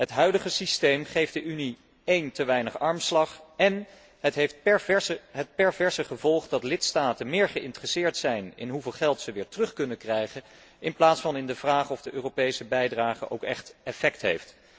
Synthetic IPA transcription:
ɦətɦœɥdəχəsistejmχejfdəʔyni | ejntəʋɛjnəχɑɹmslɑχɛn | ɦətɦeft̚ | ɦət̚pɛɹvɛɹsəχəvɔlˠχdɑtlɪtstaːtənmɪːɹχəʔɪntərəsɪːɹtsɛjnɪ̰nɦuveːlˠχɛlˠtsəʋɪːɹtrɵχkɵnəkrɛjχən | ɪnplaːtsfɑnɪndəvraːχɔvdəʔøːrowpejsəbɛjdraːχə̰ʔo̰wkɛχtɛfɛktɦejft

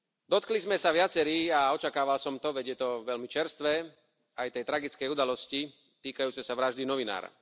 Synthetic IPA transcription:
d̪ɔt̪klizmɛsaʋɪat͡sɛɾiːaɔt͡ʃakaːʋalsɔmt̪ɔʋɛɟjɛt̪ɔʋɛlmit͡ʃɛɾst̪ʋɛː | ajt̪ɛjt̪ɾaɡit͡skɛjud̪alɔsci | t̪iːkajuːt͡sɛsaʋɾaʒd̪inɔʋina̰ːɾa̰

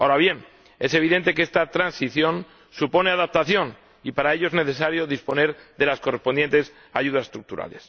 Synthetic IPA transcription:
aoɾaβje̞n | e̞se̞β̞iðe̞nt̪e̞kest̪at̪ɾansiθjo̞n | supo̞ne̞aðap̚t̪aθjo̞n | ipaɾaeʎo̞e̞zne̞θe̞saɾjo̞ðispo̞ne̞ɾðe̞lasko̞re̞spo̞nd̪je̞nt̪e̞s | aʝuðasest̪ɾuk̚t̪uɾa̰le̞s

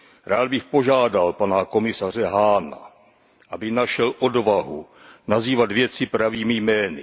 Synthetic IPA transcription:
ɾaːd̪bɪxpo̞ʒaːdalpanako̞mɪsar̝ɛɦaːna̰ | ʔabɪnaʃɛlʔo̞dvaɦu | naziːvat̪vjɛt͡sɪpɾaviːmɪjmɛːnɪ̰

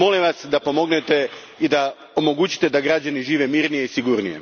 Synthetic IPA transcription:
mo̞limʋasd̪apo̞mo̞ɡnet̪e̞ | id̪a | omo̞ɡut͡ɕi̥t̪e̞d̪aɡɾad͡ʑaniʒiːʋe̞miːɾnije̞isiɡuɾnije̞̰

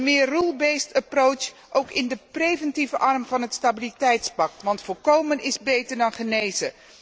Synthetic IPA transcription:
mɪːrrulˠbejstəprowt͡ʃ | ʔowkɪndəprejvɛntivəʔɑrmvɑnɦətstabilitɛjtspɑk̚tʋɑntfɔlˠkowmənɪzbejtəɹdɑnχənejzə

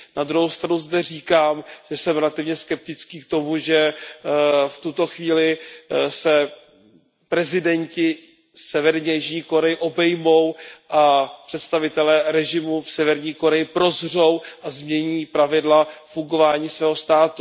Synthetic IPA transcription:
nad̪ɾuɦowst̪ɾanuzdɛr̝iːkaːmʒ̥ɛsɛmɾɛlat̪ɪvɲɛskɛp̚t̪ɪt͡skiːk̚t̪o̞muʒɛ | ft̪ut̪o̞xviːlɪsɛ | pɾɛzɪdɛɲcɪ | sɛvɛɾɲɛjiʒɲiːko̞ɾɛjɪʔo̞bɛjmo̞wʔapr̝̥ɛt̪st̪avɪt̪ɛlɛːɾɛʒɪmufsɛvɛɾɲiːko̞ɾɛjɪpɾo̞zr̝o̞wʔazmɲɛɲiːpɾavɪdlafuŋɡo̞vaːɲiːsvɛːɦost̪aːt̪u

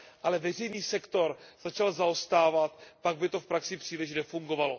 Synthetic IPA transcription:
ʔalɛvɛr̝ɛjniːsɛkt̪o̞ɾz̥at͡ʃalzaost̪aːvat̪paɡ̚bɪt̪o̞fpɾaksɪpr̝̥iːlɪʃnɛfuŋɡo̞valo̞

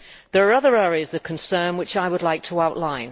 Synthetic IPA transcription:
ðəɹːʌðə˞ɛːɹiəzʌv̥kʰə̃nsɜ̃ːnwɪt͡ʃaɪwədˡlaɪk̚tʰəaʊʔlãɪ̃n

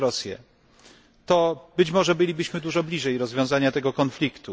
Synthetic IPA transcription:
ɾɔsʲjɛ̰ | t̪ɔbɘt͡ɕmɔʐɛbɘlʲibɘɕmɘd̪uʐɔblʲiʐɛjɾɔzvʲjɔ̃w̃zaɲat̪ɛɡɔkɔnflʲikt̪u

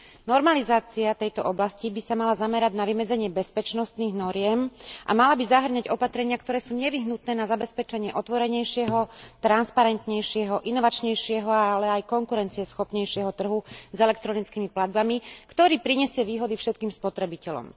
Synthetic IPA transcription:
nɔɾmalizaːt͡siat̪ɛjt̪ɔʔɔblascibisamalazamɛɾaɟnaʋimɛd͡zɛɲɪɛbɛspɛt͡ʃnɔst̪niːɣnɔɾɪɛmʔa̰malabizaɦr̩ɲaɟɔpat̪ɾɛɲɪakt̪ɔɾɛːsuːɲɛʋiɦnut̪̚nɛːnazabɛspɛt͡ʃɛɲɪɛʔɔt̪ʋɔɾɛɲɛjʃɪɛɦɔt̪ɾanspaɾɛnt̪ɲɛjʃɪɛɦɔʔinɔʋat͡ʃɲɛjʃɪɛɦɔaalɛajkɔŋkuɾɛnt͡siɛsxɔpɲɛjʃɪɛɦɔt̪r̩ɦuzɛlɛk̚t̪ɾɔnit͡skimiplad̪̚bamikt̪ɔɾiːpɾiɲɛsɪɛʋiːɦɔd̪ifʃɛt̪̚kiːmspɔt̪ɾɛbicɛlɔ̰m

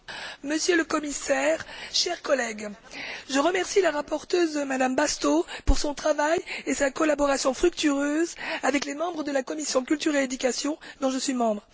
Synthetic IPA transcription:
məsjøləkɔmisɛʁʃɛʁkɔlɛɡʒəʁəmɛʁsilaʁapɔʁt̪øzd̪əmad̪ambast̪opuʁsɔ̃t̪χavajesakɔlabɔʁasjɔ̃fχyk̚t̪yʁøzavɛklemɑ̃bʁəd̪əlakɔmisjɔ̃kʲylt̪yʁeed̪ykasjɔ̃d̪ɔ̃ʒəsɥimɑ̃bʁ

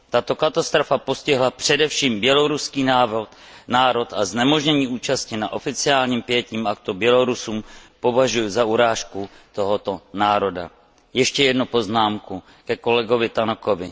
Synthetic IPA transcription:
t̪at̪o̞kat̪ast̪ɾo̞fapo̞scɪɦlapr̝̥ɛdɛfʃiːmbjɛlo̞ɾuskiːnaːvɾot̪naːɾo̞t̪aznɛmo̞ʒɲɛɲiːʔuːt͡ʃascɪnaʔo̞fɪt͡sɪaːlɲiːmpjɛciːmʔak̚t̪ubjɛlo̞ɾusuːmpo̞vaʒujʊzauɾaːʃkut̪o̞ɦo̞t̪o̞naːɾo̞da̰ | jɛʃcɛjɛdnupo̞znaːmku | kɛko̞lɛɡo̞vɪt̪anoko̞vɪ

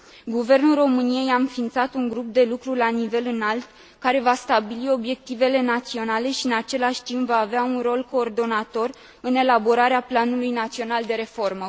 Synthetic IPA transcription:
ɡuve̞rnulro̞mɨnije̞jaɨnfint̪sat̪uŋɡɾup̚d̪e̞lukɾulanive̞lɨnalt̪ | kaɾe̞vast̪abilio̞bje̞k̚t̪ive̞le̞nat̪sio̞nale̞ʃiɨnat͡ʃe̞laʃʲt̪impvaːveaunro̞lko̞ːrd̪o̞nat̪o̞r | ɨne̞labo̞ɾaɾeaplanulujnat̪sio̞nald̪e̞ɾe̞fo̞rmə

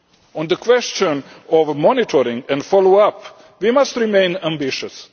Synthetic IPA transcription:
ɔ̃nd̪əkʰwɛst͡ʃə̃nɔʋmɔnɪʈʰɔɾɪ̃ŋɛ̃nɖfɔloap | ʋimʌstɾɪmẽɪ̃næ̃mbɪʃəs

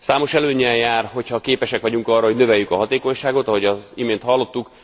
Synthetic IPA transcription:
saːmo̞ʃɛløːɲːɛjjaːrɦo̞chɒkeːpɛʃɛkʋɒɟuŋkɒrɒɦonø̞vɛjːykɒɦɒt̪eːko̞ɲʃaːɡo̞t̪ɒɦo̞ɟɒimeːnt̪hɒlːo̞t̪ːuk

